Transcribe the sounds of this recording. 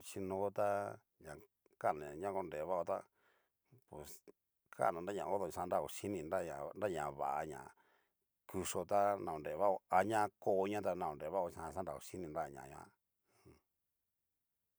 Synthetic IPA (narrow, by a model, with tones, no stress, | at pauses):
t͡ʃi˧nõ˧˦t̪a˦ | ɲã˨ | ka˦˨nã˨ɲã˦ko˧nɾe˨βa˦o˧t̪a̰˦ | pe˨s | kʰa̰˦˨nã˨nda˦ɲã˧˨o˦ðo˧˨˧ã˧˦nɾa˦˧˨o˨ʃi˦nĩ˧nɾa˦˨ɲã˨nɾa˦ɲã˨βa̰˨ʔa̰˧ɲã̰˨ | ku˧ʂo˧t̪a˦nã˨õ˨nɾe˨βa˦o˧a˧ɲã˦˧ko˧˦ɲã˦t̪̬a˧nã˧˨õ˨nɾe˨βa˦o˧ã˧˨sã˦da˨o˧ʂi˦nĩ˧nɾa˦˨ɲã̰˨ɲã̰˧˦ | hũ˨